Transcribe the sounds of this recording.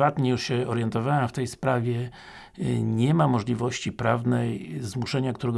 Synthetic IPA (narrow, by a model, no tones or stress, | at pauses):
at̪ɲɛjuʂɕɛɔɾjɛnt̪ɔvawɛmft̪ɛjspɾavʲjɛ | ɲɛmamɔʐlʲivɔɕt͡ɕipɾavnɛjzmuʂɛɲakt̪uɾɛɡ